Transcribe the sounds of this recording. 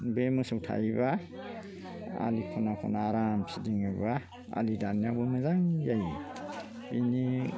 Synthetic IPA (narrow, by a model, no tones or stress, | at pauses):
bemɯsɯwtʰa̰jba | a̰likʰɔnakʰɔ̰naːɾamsidiŋɯjba | a̰lidanjabɯmɯzaŋjaj | ini